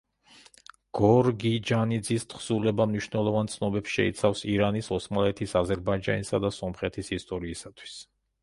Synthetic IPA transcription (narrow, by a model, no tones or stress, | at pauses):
ɡ̥ɔɾɡid͡ʒanid̪zist̪ʰχsulɛbamniʃvnɛlˠɔvant̪sʰnɔbɛpsʃɛ̰ḭt̪sʰafsiɾanisɔsmalɛt̪ʰisazɛɾbaid͡ʒa̰nisad̪asɔmχɛt̪ʰisist̪ʼɔɾiːsat̪ʰwi̥s